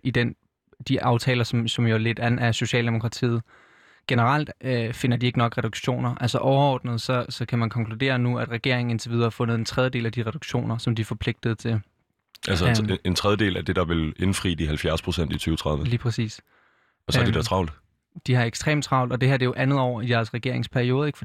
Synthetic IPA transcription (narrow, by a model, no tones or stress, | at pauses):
id̥en | d̥iʔɑ̈ʊt͡sʰɛːlɐsɒ̽msɒ̽mjo̝æle̝d̥æn̩æso̝ɕɛ̰ːld̥e̝mo̝kʰʁɑ̈t͡sʰḭːð̩ˠ | ɡ̥enəʁɑl̰d̥fe̝nɐd̥ie̝ɡ̥nɒ̽ɡ̥ʁɛd̥uɡ̥ɕo̝̰ːnɐʔælsɒʔɒʊɐɒ̰ːd̥nəð̞̩ˠsɒ̽sɒ̽kʰæmænkʰɒ̽ŋkʰlud̥e̝̰ːɐnuæd̥ʁɛɡ̥e̝̰ɐ̰eŋ̩e̝nt͡sʰe̝ʋiðˠɐhɑ̈fɔ̽nð̞̩ˠe̝nt͡sʰʁɛðjəde̝̰ːlæd̥iʁɛd̥uɡ̥ɕo̝̰ːnɐsɒ̽md̥ifɒ̽pʰle̝ɡ̥̚d̥ð̞̩ˠt͡sʰe̝l | ʔælse̝nt͡sʰʁɛðˠjəd̥e̝̰ːlæd̥e̝d̥ɑ̈ʋe̝le̝nfʁḭːd̥iɦælfjæɐspʰʁosen̰d̥it͡sʰyːʊət͡sʰʁɑ̈ðˠʋəliːpʰʁɛsḭːs | ɒsd̥id̥ɑt͡sʰʁɑ̈ʊ̰ld̥ | d̥ihɑ̈eɡ̥sd̥ʁḛːmt͡sʰʁɑ̈ʊ̰ld̥ɒ̽d̥e̝hæɐ̰d̥e̝jo̝ʔænð̞̩ˠɒʊ̰ɐid̥æɐsʁɛɡ̥e̝ɐ̰e̝ŋspʰæɐio̝ːð̞ˠeɡ̥fɒ̥